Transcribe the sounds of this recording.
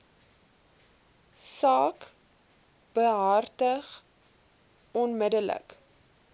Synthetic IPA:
sɑːk | b̥əɦartəχ | ɔnmədələ̰k

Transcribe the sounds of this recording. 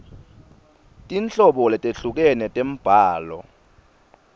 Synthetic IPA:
tʼint͡ɬʼɔɓɔlɛtʼeɬuk̬ɛnɛtʼem̩b̥ʱaːlɔ̰

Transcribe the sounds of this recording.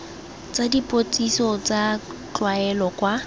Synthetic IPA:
t͡sʼadipʼot͡sʼisɔt͡sʼat͡ɬwaɛlɔkʼwa

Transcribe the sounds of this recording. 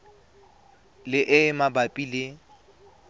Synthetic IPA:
lɪʔɪmabapʼile

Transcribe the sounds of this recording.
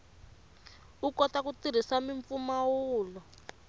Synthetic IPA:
ukɔtakutiɾ̤isamiɱfumawuːlɔ

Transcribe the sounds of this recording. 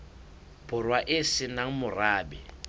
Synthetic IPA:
b̥ʱʊrwaʔɪsɪnaŋ̩mʊraːbɛ

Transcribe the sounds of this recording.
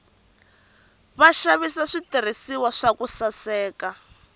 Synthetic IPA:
βaʃaβisaʂitir̤isiwaʂakusasɛːka

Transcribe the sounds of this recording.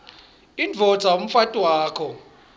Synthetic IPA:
ind͡vʱɔd̥z̥ʱaom̩fatʼwaaːkʰɔ

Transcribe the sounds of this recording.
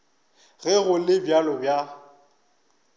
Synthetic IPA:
ɣɛɣʊlɪbjalɔbja

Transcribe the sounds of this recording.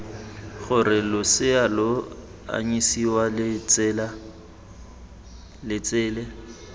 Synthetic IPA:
ɣʊrɪlʊsɪalʊ | a̰ɲisiwalt͡sːla | lɪt͡sʼɪːlɛ

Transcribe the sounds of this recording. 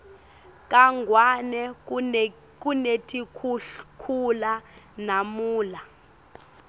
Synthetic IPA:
k̬ʼaŋʱwanɛ | k̬unetʰʼikʰkʰulanamuːla

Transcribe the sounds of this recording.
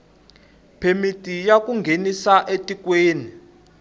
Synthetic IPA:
pʰemitʼijakʼuŋɡʱenisaʔetʼikweːni

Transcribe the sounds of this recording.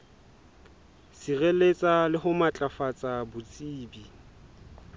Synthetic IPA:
sirelet͡sʼalɪɦʊmat͡ɬʼafat͡sʼabʊt͡sʼiːbi

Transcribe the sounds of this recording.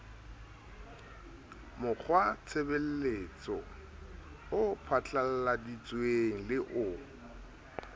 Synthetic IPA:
mʊk͡xʰwat͡sʰebel̩leːt͡sʼɔ | ʊpʰat͡ɬʼal̩ladit͡sʼweŋ̩lɪʔʊ

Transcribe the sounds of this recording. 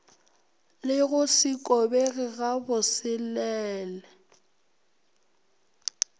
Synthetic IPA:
lɪɣʊsɪkʼɔbeɣɪɣabʊsɪlɛːlɛ

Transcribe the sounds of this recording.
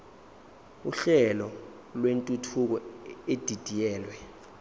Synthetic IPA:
uɬɛlɔ | lwentʼutʰuk̬ɔed̥ʱid̥ʱijɛːlwɛ

